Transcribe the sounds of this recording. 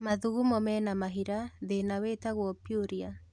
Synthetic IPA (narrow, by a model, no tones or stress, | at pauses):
maðuɣumɔmɛnamaɦiɾaðenaweːtaɣwɔpjoɾia